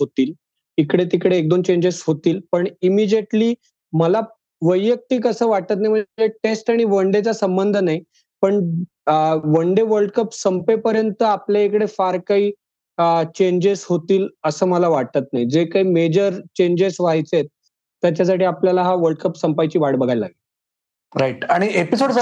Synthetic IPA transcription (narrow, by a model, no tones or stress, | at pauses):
ɦot̪iːl | ikɽet̪ikəɽeːk̚d̪ont͡ɕeɲd͡ʑesɦot̪iːlpəɳimid͡ʑeʈliː | məla | ʋəjːək̚t̪iːkəsəːʋaʈ̚t̪ət̪naim̤əd͡zeʈesʈaɽ̃iʋəɳɖet͡sasəmbənd̪ʱənai | pəɳ | ʋəɳɖeʋəɾɖkəpsəmpepəɾjənt̪əapljaekɽefaɾkaiː | t͡ɕeɲd͡ʑeshot̪iːləsəːməlaʋaɽt̪ət̪naid͡zekaiːmed͡ʑəɾt͡ɕeɲd͡ʑesʋaɦjt͡set̪̚ː | jat͡ɕasaʈiːapljalaɦaʋəɾɖ̚kəpsəmpajt͡ɕiːʋaɽbəɡʱajla̰ɡil | ɾaiʈaɽ̃iepisoɽ